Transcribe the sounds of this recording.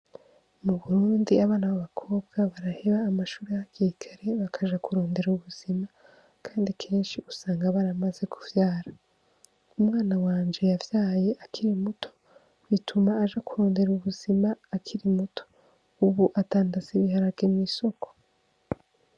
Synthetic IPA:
muβuɾuːndiaβaːnaβaβakʰo̞ːbɡ̥aβaɾaheβaːmaʃuːɾijaakiikʰaɾeβakʰaʒakuɾo̞ːnde̞ɾuβuz̥ima | kʰaːndikʰe̞ːnʃiusaːŋɡaβaɾamaze̞kuvjaːɾa | umŋaːnawaːnd͡ʒe̞javjaːje̞ʔakʰiɾimutʰo̥ | βitʰumaːʒakuɾo̞ːnde̞ɾuβuz̥imaːkʰiɾimutʰo̥ | uβuʔataːndasiβiɦaɾavɡemŋiːso̞ko̥

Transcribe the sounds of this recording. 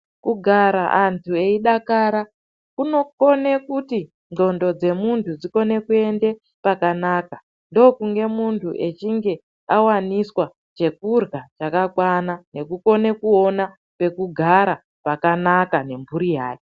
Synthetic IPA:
kuɡʱaɾaʔantʰue̞iɗakaɾa | kuno̞ko̞ne̞kuti | o̞ndo̞d͡ze̞muntʰud͡ziko̞ne̞kue̞nde̞ | pakanaka | ndo̞kuŋɡe̞muntʰuʔe̞t͡ʃiŋɡe̞ | awaniswa | t͡ʃe̞kurɡat͡ʃakakwanane̞kuko̞ne̞kuona | pe̞kuɡʱaɾa | pakanakane̞mbʱuɾijaːke

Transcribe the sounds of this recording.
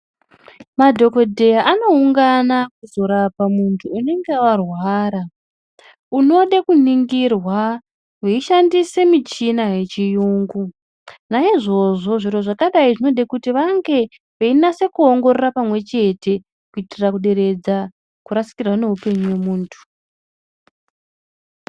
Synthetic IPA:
madʱo̞ko̞dʱe̞jaʔano̞uŋɡanakuzo̞ɾapamuntʰuune̞ŋɡeawarwaːɾa | uno̞ɗekuniŋɡirwa | weiʃandise̞mit͡ʃinaɦe̞t͡ʃijuːŋɡu | naiʐo̞ʐo̞ʐiro̞ʐakaɗaiʐino̞ɗekutiʋaŋɡe̞ | ʋeinase̞kuo̞ŋɡo̞rerapamwe̞t͡ʃe̞te̞ | kuitirakuɗe̞ɾe̞d͡za | kuɾasi̥kirwane̞ɦupe̞ɲuwe̞muːntʰu̥

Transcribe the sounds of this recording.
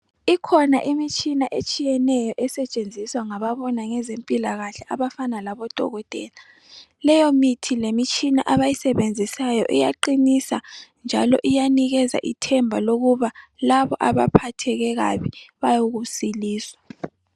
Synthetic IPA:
ikʰɔnaʔimit͡ʃʼinaʔet͡ʃʼijɛnɛjɔʔɛsɛt͡ʃʼend͡zʱiswaŋaβaβɔnaŋɛzempʼilaɣaɬɛʔaβafanalaβɔd̥ʱɔ̰ɣɔtʼɛ̰ːla | lɛjɔmitʰilemit͡ʃʼinaʔaβajisɛβend͡zʱisajɔ̰ʔɛjaǃinisand͡ʒʱa̰lɔ̰ʔijaniɣɛza̰ʔitʰɛmbʱaloɣuβalaβɔʔaβa̰pʰatʰɛɣɛɣa̰βiβajoɣusiliːswa

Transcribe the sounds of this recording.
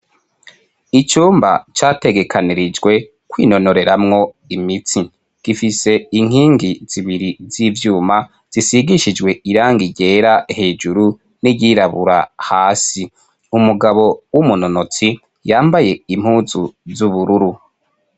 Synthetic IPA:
it͡ʃuːmba̰t͡ʃaːte̞ɡe̞kʰaniɾid͡ʒɡwe̞ | kwḭːno̞no̞ɾe̞ɾamŋo̞ | imit͡si | ɡ̥ifise̞iŋ̥hiːŋɡiz̥iβiɾizivjuːma | z̥isiɡiʃid͡ʒɡwe̞iɾaːŋɡiɟe̞ːɾahe̞ːd͡ʒuɾu | niɟiɾaβuɾa̰haːsi | umuɡaβo̞wumunonot͡si | jaːmbaje̞im̥huzuzuβuɾuɾu

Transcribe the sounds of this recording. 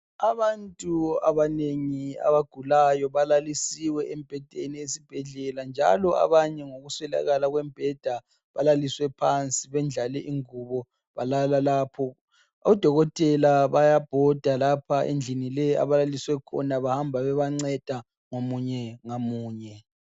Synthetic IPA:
aβantʼua̰βaneŋia̰βaɡ̥ʱulajɔβalalisiwɛʔɛmb̥ʱɛd̥ʱeniesib̥ʱɛɮɛland͡ʒʱa̰lɔa̰βaɲɛŋoɣuswɛla̰ɣalaɣwɛmb̥ʱɛd̥ʱa | βalaliswɛpʰant͡sʼiβɛnd͡ɮʱalɛʔiŋuβɔ | βalalalaːpʰɔ | ɔd̥ʱɔɣɔtʼɛlaβajab̥ʱɔd̥ʱalapʰaʔḛnd͡ɮʱinilɛa̰βalaliswɛkʰɔ̰naβahambʱaβɛβaŋ͡ǀɛd̥ʱa | ŋomuɲɛŋamuːɲɛ

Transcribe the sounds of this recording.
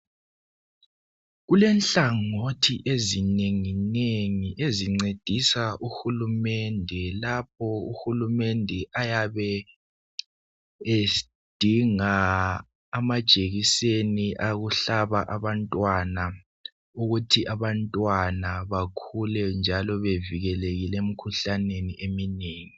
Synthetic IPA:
ɣulɛnɬaŋotʰiʔezineŋineŋiʔeziŋ͡ǀed̥ʱisaʔuxulumɛndʱɛlap̚ʰɔṵxulumɛndʱɛʔajaβɛ | e | d̥ʱiŋaː | mad̥ʒ̥ʱeɣiseniʔaɣuɬaβaʔaβantʼwana | uɣutʰiʔaβantʼwanaβakʰulɛnd͡ʒʱalɔβeviɣɛleɣilɛm̩kʰuɬaneniʔemineːŋi

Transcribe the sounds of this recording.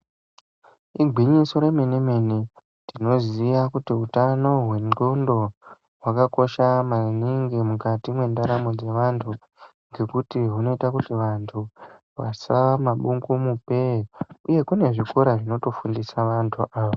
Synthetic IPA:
iɡʱwiɲiso̞ɾe̞meneme̞ni | tino̞zijakutiutano̞ɦwe̞nondo̞ | wakako̞ʃamaniŋɡemukatimwe̞ndaɾamod͡ze̞ʋantʰu | ŋɡe̞kutiɦuno̞itakutiʋantʰu | ʋa̰saamaɓuŋɡumupe̞uje̞kune̞ʐikoɾaʐino̞to̞fundisaʋantʰuʔaːʋa

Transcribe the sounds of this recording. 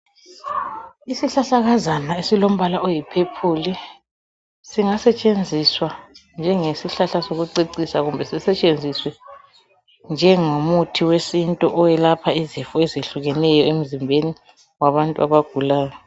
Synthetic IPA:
isiɬaɬaɣazanaesilom̩βalaʔojipʰepʰuːli | siŋasɛt͡ʃʼend͡zʱiswand͡ʒʱɛŋesiɬaɬasoɣuǀiǀisaɣumbʱɛsisɛt͡ʃʼend͡zʱiswɛ | nd͡ʒʱɛŋomutʰiwesintʼɔʔɔjɛlapʰaizifuɛzeɬuɣɛnɛjɔem̩zimbʱeni | waβantʼuaβaɡ̥ʱulaːjɔ

